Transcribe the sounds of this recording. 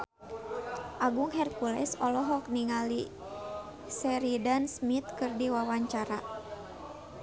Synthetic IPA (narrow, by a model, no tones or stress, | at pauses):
ʔaɡuŋɦɛrkulɛ̰sɔlɔɦɔk̚niŋali | sɛɾidansmit̪̚kɨrdiwawaɲt͡ʃaɾa